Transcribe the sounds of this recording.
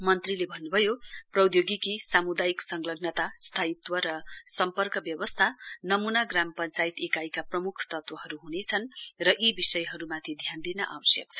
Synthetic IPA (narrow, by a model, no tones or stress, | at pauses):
mʌnt̪rilebʱʌnːubʱʌjoprʌwd̪joɡikisamud̪ajiksʌŋɡlʌɡnʌt̪ast̪ʰait̪wʌɾʌsʌmpʌrkʌbjʌwʌst̪ʰanʌmunaɡrampʌnt͡sajit̪ekajkaprʌmukʰt̪ʌt̪wʌɦʌɾuɦunet͡sʰʌnrʌʔibisʌjɦʌɾumat̪ʰid̪ʱjand̪inʌʔa̰wʌsjʌk̚t͡sʰʌ̥